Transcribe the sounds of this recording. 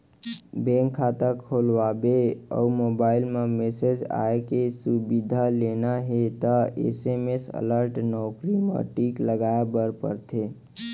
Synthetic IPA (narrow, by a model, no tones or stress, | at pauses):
bẽŋkʰːat̪əkʰolʋabeə̰umobailmemesed͡ʒa̰ekesubid̪ʱalenaɦet̪əḛsemesə̰ləɾʈnɔʊkɾimḛʈikləɡaebəɾpə̰ɾt̪ʰe